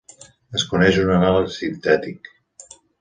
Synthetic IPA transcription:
əskunɛʒunənalˠsint̪ɛt̪ik

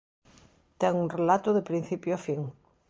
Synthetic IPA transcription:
t̪ɛŋuŋrelat̪ʊðepɾĩn̟θipjoafiŋ

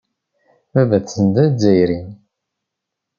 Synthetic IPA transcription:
ævæθənd̪æzːæjɾin

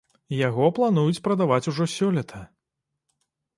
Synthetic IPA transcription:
jaɣɔplˠanujut͡sʲpɾɐd̪avat͡sʲuʐɔsʲɔlʲɛt̪ʰɐ

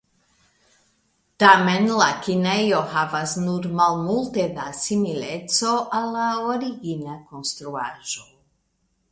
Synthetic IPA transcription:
tamenlakinejohavasnuɾmalmulted̪asimilet͡so̞ʔalːaoɾiɡinakonst̪ɾuaʒo

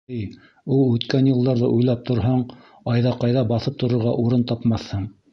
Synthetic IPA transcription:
j | ulˠʉt̪kænjɤ̆lˠd̪ɑɾðɤ̰ʔujlˠɑp̚t̪ŏɾɦɑɴ | ɑjðɑqɑjðɑbɑθɤp̚t̪ŏɾŏɾʁɑʔuɾɤnt̪ɑpmɑθhɤɴ

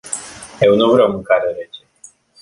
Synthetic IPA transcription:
jewnuvɾawmɨŋkaɾeɾet͡ʃe

